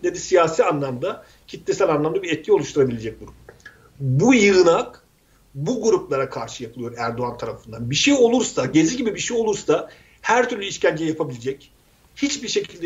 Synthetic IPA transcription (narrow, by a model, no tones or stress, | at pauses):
ned̪isijaːsiːanlˠamd̪a | cʰit̪ʰːesælʲanlˠamd̪abiɾɛt̪̚cʰio̞lˠuʃt̪ʰuɾabilʲe̞d͡ʒɛc̚buɾup | bujɯɾɯnak | buɡuɾuplˠaɾakʰaɾʃɯjapʰɯɯjo̞ɾæɾd̪o̞ant̪ʰaɾafɯnd̪anbiʃejo̞lˠuɾsaɟe̞ziɟibibiʃejo̞lˠuɾsa | hæɾt̪ʰyɾlʲyiʃcʰænd͡ʒijijapʰabilʲed͡ʒɛc | hit͡ʃbiɾʃe̞cʰililʲd̪ɛ